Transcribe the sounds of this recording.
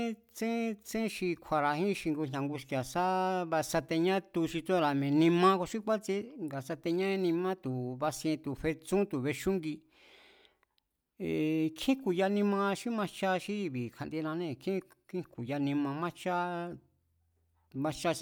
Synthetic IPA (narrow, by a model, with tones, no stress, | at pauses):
t͡sẽ˦t͡sẽ˦ʃi˧kʷʰa˧ɾa˨ɦĩ˦ʃi˧ŋɡu˧ɲɲã˨ŋɡu˧ʃka˨sa˦βa˧sa˧t̪e˧ɲã˦t̪u˧ʃi˧t͡sõ˦˧ɾa˨mẽ˨nĩ˧mã˧ko˧ʃi˦kʷa˦t͡si˦ŋɡa˨sa˧t̪e˧ɲã˦e˧˦nĩ˧mã˦t̪u˨βa˧sĩ˧ẽ˧t̪u˨ɸe˧t͡sũ˦t̪u˨βe˧ʃu˦ŋɡi˧ | e˨kʰĩ˦ku˨ja˧nĩ˧mã˧ʃi˦mã˧t͡ʃa˦ʃi˦˧βi˨kʰa˧˨nd̪i˧nã˧nẽ˦˨kʰĩ˦kĩ˦ku˨ja˧nĩ˧mã˧mã˦t͡ʃa˦ | mã˧t͡ʃa˧ʃ